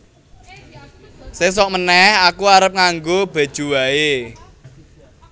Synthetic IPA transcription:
ses̬ɔʔ̚mənɛhakuaɾəp̚ŋaŋɡob̥a̤d̥ʒ̥ṳwae

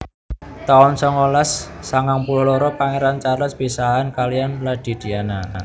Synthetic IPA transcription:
t̪aʊnsɔŋolasːaŋaŋpulɔlɔɾɔpaŋeɾant͡ʃaɾlɔspisaɦankalijanlad̪̥i̤d̪̥i̤ana

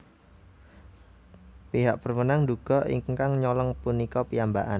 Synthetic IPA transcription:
piɦaʔpərmənaŋnd̪uɡ̥ɔ̤ʔḭŋkaŋɲɔlɔŋpunikɔpijambaʔan

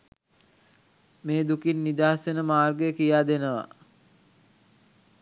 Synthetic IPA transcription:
meːd̪ukinːid̪aːsenəmaːrɡəjəkijaːd̪enəʋa̰

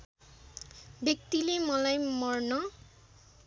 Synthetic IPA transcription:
bjʌk̚t̪ilemʌlajmʌrnʌ

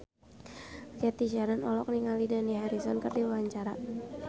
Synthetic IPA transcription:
kɛt̪iʃaɾanɔlɔk̚niŋalidaniɦaɾisɔnkərdiwawaɲt͡ʃaɾa

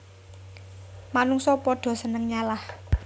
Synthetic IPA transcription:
manuŋsɔpɔɖ̪̥ɔ̤sənəŋɲalah

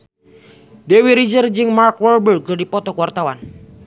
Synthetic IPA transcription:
dewiɾizərd͡ʒɨŋmarkwɔrbərɡ̚d͡ʒadipɔt̪ɔkuwart̪awan

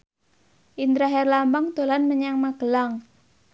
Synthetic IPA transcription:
ʔind̪ɾaɦɛrlambaŋd̪̥o̤lanməɲaŋmaɡ̥əlaŋ

